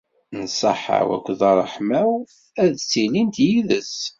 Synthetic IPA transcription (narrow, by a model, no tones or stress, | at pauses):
nəsˤɑ̰ħa̰wæ̰kʷːðɑrˤːəħmæw | æðt͡sːilint̪jiðəs